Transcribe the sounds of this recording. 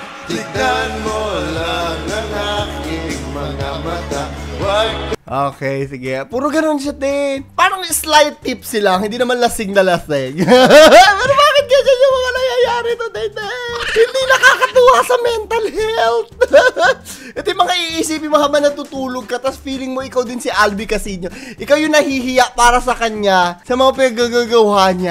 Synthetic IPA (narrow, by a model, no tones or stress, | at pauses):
t̪ɪt̪anmolaŋɐŋakɪŋmɐŋamɐt̪awaɡʔoːkɛjsɪɡɛpuːɾoɡɐno̞nʃ̬ad̪ɛpaːnoŋɪslaj̚t̪ːipsɪlaŋhɪnd̪iːnɐmanlɐsɪɡ̚nɐlɐsɪɡ | pɛɾobaːkɪt̪̚ɡɐnd͡ʒɐnjʊŋmɐŋanɐjajaːɾɪt̪od̪ɛjt̪ɛhɪnd̪inɐkaːkɐt̪uːhɐsɐmɛnt̪ɐlhɛlt̪̚ | ʔɐt̪ojmɐŋaʔiʔiːsiːpɪnmoɦɐbanɐt̪ut̪uːloɡ̚kɐt̪ɐsfiːlɪŋmoʔɪkawd̪ɪnsɪʔalbikɐsiɲoʔɪkawjʊŋnɐhiːɦɪjaʔpaːɾɐsɐkɐɲasɐmɐŋapɪnɐɡaɡaɡɐwhaɲa